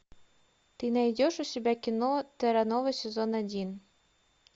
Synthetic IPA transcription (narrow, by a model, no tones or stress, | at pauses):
t̪ɨnajdʲoʃusʲebʲækʲinot̪eɾanovɤsʲezonadʲin